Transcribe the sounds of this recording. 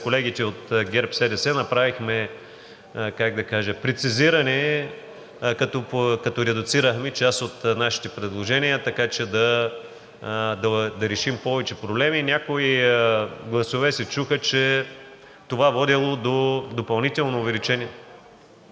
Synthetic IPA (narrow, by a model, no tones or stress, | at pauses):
kolɛɡ̟it̪ɛot̪ɡʲɛɾpsɛd̪ɛsɛnɐpɾavixmɛ | kaɡ̚d̪ɐkaʒɛpɾɛt̪siziɾɐnɛ | kɐt̪ɔkɐt̪ɔɾɛd̪ʊt̪siɾəxmɛt͡ʃast̪ot̪naʃi̥t̪ɛpɾɛd̪lˠoʒɛnijət̪ɐkat͡ʃɛd̪ɐ | d̪ɐd̪ɐɾɛʃimpɔvɛt͡ʃɛpɾoblɛmiːnʲakoi | ɡlˠɐsovɛsɛt͡ʃuxət͡ʃɛ | t̪ovavɔd̪ilˠod̪od̪opɐlˠnit̪ɛlˠnoːvɛlit͡ʃɛniɛ